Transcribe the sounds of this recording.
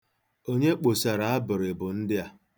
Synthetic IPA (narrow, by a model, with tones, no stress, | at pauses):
o˦ɲe˦k͡po˨sa˨ɾa˨a˦bʊ˨ɾɪ˨bʊ˨n̩˦dɪ˦a˦